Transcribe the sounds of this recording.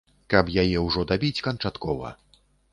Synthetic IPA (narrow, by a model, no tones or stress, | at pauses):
kɐpjajɛwʐɔd̪abʲit͡sʲkɐnt͡ʂat̪kɔvɐ̰